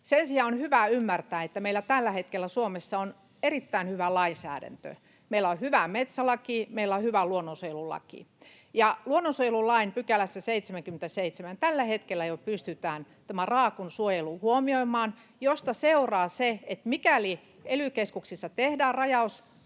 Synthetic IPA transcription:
sensiɑːonhyʋæymːært̪æːet̪ːæmeilːˑæt̪ælːæhet̪kelːæsuomesːɑon | erit̪ːæinhyʋælɑinsæ̰ːdæ̰nt̪ø̰ | meilːæohyʋæmet̪sælɑkimeilːˑæohyʋæluonːonsojelulɑ̰kḭ | jɑluonːonsuojelulɑinpykælæsːæseit̪semæŋkyment̪æseit̪semænt̪ælːæhet̪kelːæjopyst̪yt̪æːn | t̪æmærɑːkunsuojeluhuomioimˑɑːn | jost̪ɑseurɑːseet̪mikæli | elykeskuksisːɑt̪ehdæːrɑjɑus

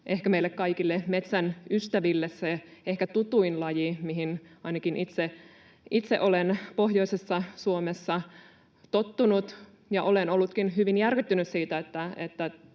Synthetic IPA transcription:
ʔehkæmeilːekkɑikilːemet̪sænyst̪æʋilːesseehkæt̪ut̪uinlɑjimiɦinɑinɑkinʔit̪se | it̪sḛʔolenpoɦjo̞isesːɑsuomesːɑ | t̪ot̪ːunut̪ | jɑʔolenolːut̪kinɦyʋinjærkyt̪ːynyssiːt̪æet̪ːæet̪ːæ

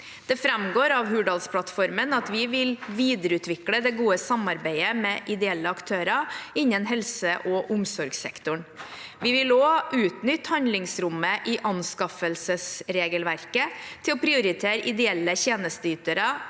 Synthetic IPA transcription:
d̪̥ɛfɾɛmɡoːɾɑʋɦʉɖɑlspʰlɑt̪fɔɾmənɑt̪ʋɪʋɪlʋiːd̪əɾəʉːt̪ʰʋɪkləd̪ɛɡuːəsɑmɑɾbæɪəmɛːʔɪd̪ɛɛlːəɑkt̪ʰøːɾɑɪnːənɦɛlsəʔɔʔʊmsɔɾɡsɛ̰kt̪ʊɳʋɪʋɪloːʔʉːt̪nʏt̪ːhɑnd̪lɪŋsɾʊmːəʔɪʔɑnskɑfəlsəsɾeːɡəlʋæɾkət̪ʰɪlɔpʰɾɪʊɾɪt̪ʰeːɾəʔɪd̪ɛɛlːəçeːnəst̪əyːt̪əɾə

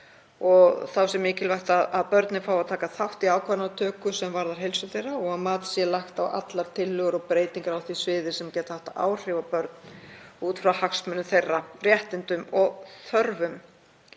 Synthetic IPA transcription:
ɔɣθawsɛmːɪːcɪlvajht̪aðaðpœɾt̪nɪfaːwaðt̪ʰaːkaθawht̪iaːwkʰvanat̪ʰœːkʏsɛmvaɾðaɾ̥ɦejlsʏθejrːaɔɣaðmaːt̪sjɛlaxt̪awa̰t̪laɾ̥t̪ʰɪlːʏɣʏɾɔɣpɾeːjt̪iŋkaɾawθvisvɪːðɪ̥sɛmcɛːt̪ahaht̪aʔa̰ːwr̥ɪvapœɾt̪̚nuːt̪fɾawhaksmʏnːʏθejrːarjɛht̪ɪnt̪ʏmɔɣθœɾvʏm

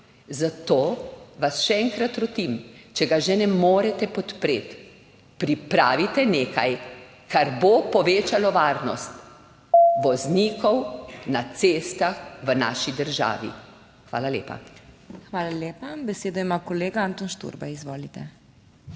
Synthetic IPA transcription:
zat̪oːʋasʃɛɛŋkɾat̪ɾɔt̪imt͡ʃɛɡaʒɛnɛmoːɾɛt̪ɛpɔt̪pɾeːt̪ | pɾipɾaːʋit̪ɛneːka̰j | kʰaɾbopɔʋeːt͡ʃalɔʋaːɾnɔst̪ | ʋɔzniːkɔwnat̪seːst̪axʋəna̰ːʃid̪əɾʒa̰ːʋḭ | xʋa̰ːlalḛːpa̰ | xʋaːlaleːpabɛseːd̪ɔimakɔleːɡaaːnt̪onʃt̪ṵɾbaizʋoːlit̪ɛ

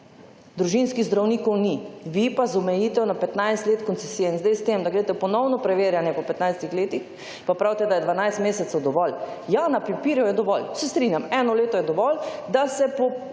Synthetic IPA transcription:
d̪ɾuʒinskiɣzd̪ɾawniːkɔwniʋipazɔmɛjiːt̪ɛwnapɛt̪najst̪leːt̪kɔnt̪ɛsiːjɛinzd̪ejst̪emd̪aɡɾet̪ɛpɔnɔwnɔpɾɛʋeːɾjanjɛpɔpɛt̪najst̪ixleːt̪ix | papɾawt̪ɛd̪ajɛd̪ʋanajst̪meːsɛt̪sɛwd̪ɔʋɔl | janapipiːɾjɔjɛd̪ɔʋɔlsɛst̪ɾinjamɛnɔleːt̪ɔjɛd̪ɔʋɔld̪asɛpɔ

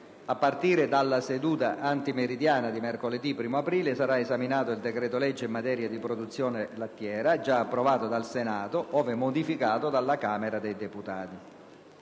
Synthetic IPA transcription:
apːart̪iːɾɪd̪alːased̪uːt̪aʔant̪imeɾid̪jaːnad̪imerkoled̪ipːɾiːmoapɾiːlesaɾaezaminaːt̪oild̪ɛkɾɛːt̪olɛd͡ʒːeimːat̪ɛːɾjad̪ipɾod̪ut̪sːjɔːnelat̪ːjɛːɾad͡ʒaːpːɾovaːt̪od̪alsenaːt̪oʔɔːvemod̪ifikaːt̪od̪alːakaːmeɾad̪ejd̪eput̪aːt̪i

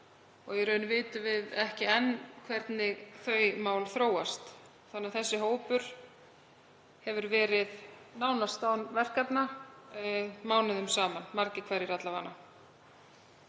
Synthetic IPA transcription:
ɔɣɛɾœːɥnʏvɪːt̪ʏvɪðɛhcɪɛnːkʰvɛɾt̪nɪɣθœːɥmaːwlθɾoːwast̪ | θanːɛaðθɛsːɪɦoːwpʏɾ̥ | hɛvʏɾvɛːɾɪðnaːwnast̪aːwnvɛr̥kat̪na | maːwnɪðʏmsaːmanmaɾcɪkʰvɛɾjɪɾat̪lavaːnːa

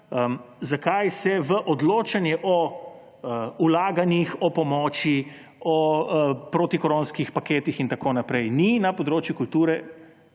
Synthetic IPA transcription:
əmzakajsɛʋəʔɔd̪loːt͡ʃanjɛʔɔ | ulaːɡanjixɔpɔmɔːt͡ʃi | ɔpɾoːt̪ikɔɾoːnskixpakeːt̪ixint̪akoːnapɾɛjninapɔd̪ɾoːt͡ʃjukult̪uːɾɛ

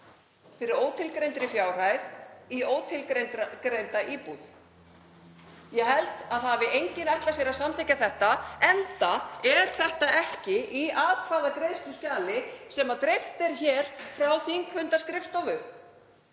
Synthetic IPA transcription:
fɪɾɪɾoːwt̪ʰɪlkɾejnt̪ɾɪfjaːwr̥ajðioːwt̪ʰɪlkɾejnt̪ɾakɾejnt̪aʔiːpuð | jɛɦɛlt̪aðhavɪejɲcɪnɛjht̪las̬jɛɾasamθeːcːaθɛht̪aɛnt̪aɛɾ̥θɛht̪aʔɛhcɪʔiʔaːðkʰvaːðakɾeːjst̪ʏscaːlɪsɛmaðt̪ɾɪft̪ɛɾ̥çɛːɾ̥fɾawθiŋkʰvʏnt̪askɾɪfst̪ɔvʏ

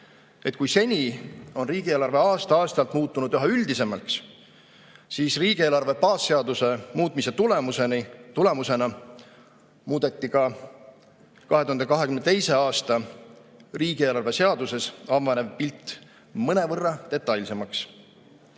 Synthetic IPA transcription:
e̞t̪ːˑkujse̞nʲio̞nriːɡ̥ieːlɑrve̞ɑːst̪ɑɑːst̪ɑlt̪muːt̪ːˑunud̪̥yɦɑyld̪̥ise̞mɑlks | siːsriːɡ̥ie̞ːlɑrve̞pɑːsːe̞ɑd̪use̞muːt̪mise̞t̪ulemusenit̪ule̞muse̞nɑ | muːd̪̥e̞t̪ːikɑ | kɑɦet̪uhɑnd̪ekɑɦe̞kymnet̪e̞jse̞ɑːst̪ɑ | riːɡ̥ie̞ːlɑrve̞se̞ɑd̪̥use̞sɑvɑneb̥̚pilt̪ːˑ | mɤne̞vɤrːɑt̪e̞t̪ːˑɑjlʲse̞mɑks

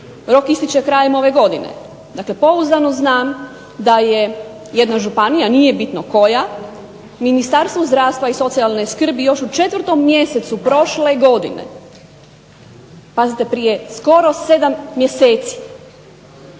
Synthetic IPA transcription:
ɾo̞kist̪it͡ʃe̞kɾaːjemo̞ʋe̞ɡo̞d̪inḛ | d̪akle̞po̞uzanoznaːm | d̪aje | jed̪naʒupanijanije̞bit̪noko̞ja | minist̪aɾst̪ʋuzd̪ɾaːʋst̪ʋaiso̞t̪sialneskr̩bijo̞ʃut͡ʃe̞t̪ʋr̩t̪o̞mːje̞set̪supɾo̞ʃleɡo̞d̪ḭnḛ | pazit̪e̞pɾije̞sko̞ɾose̞d̪amːjeseːt̪si̥

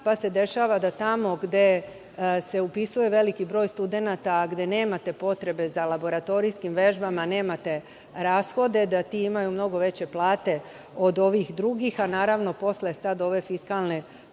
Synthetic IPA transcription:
pase̞d̪e̞ʃaːʋad̪at̪amo̞ɡd̪e̞ | se̞upisuje̞ʋe̞likibɾo̞ːjst̪ud̪e̞nat̪aɡd̪e̞ne̞ːmat̪e̞po̞t̪ɾe̞be̞zalabo̞ɾat̪o̞ɾiskimʋe̞ʒbamane̞ːmat̪e̞ | ɾaːsxo̞d̪e̞d̪at̪iːimajumno̞ɡo̞ʋe̞t͡ɕe̞plˠaːt̪e̞ | o̞d̪o̞ʋixd̪ɾuɡixanaːɾaʋno̞po̞sle̞sad̪o̞ʋe̞fiskalˠne̞

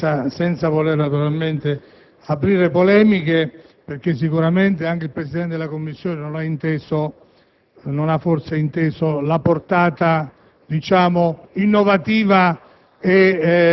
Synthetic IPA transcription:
asɛnt̪savolernat̪uɾalment̪ɪ | apɾiːɾepolɛːmike | perk̟es̬ːikuɾament̪eaŋk̟eilpɾesid̪ɛnt̪ed̪elakomːisːjoːnenonaint̪eːso | nonafːorseint̪eːsolaport̪aːt̪a | d̪it͡ʃaːmʊinːovat̪iːva | e

